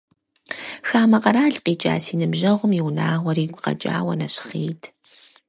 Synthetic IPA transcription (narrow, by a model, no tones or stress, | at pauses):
xaːmɐqɐɾaːɮqiːt͡ʃʼa̰ːsiːnɨmʑɐʁʷʊmjiwnaːʁʷɔɾiːɡʷqɐ̰t͡ʃʼa̰ːwɐnɐɕχḛːtʰ